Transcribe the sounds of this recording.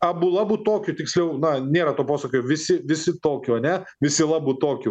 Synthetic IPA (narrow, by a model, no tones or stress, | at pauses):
ɐbʊlˠɑbuːt̪oːkʲʊt̪ʲɪksʲlʲɛʊnɐnʲeːɾɐt̪oːpoːsɐkʲojoʋʲɪsʲɪʋʲɪsʲɪt̪oːkʲʊɐnʲɛʋʲɪsʲɪlˠɑːbʊt̪oːkʲʊ